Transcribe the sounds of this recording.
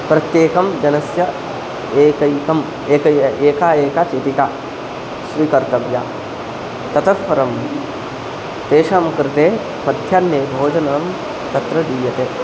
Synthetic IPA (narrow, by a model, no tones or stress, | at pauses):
pɾɐt̪jeːkɐmd͡ʒɐnɐsjɐ | eːkɐjkɐm | eːkɐeːkaːeːkat͡ʃet̪ika | sʋikɐɾt̪ɐʋja̰ | t̪ɐt̪ɐspɐɾɐm | t̪eːʃaːmkɾɪt̪eː | pɐd̪ʱjaːnːeːbʱoːd͡ʒɐnaːm | t̪ɐt̪ɾɐd̪iːjɐt̪eː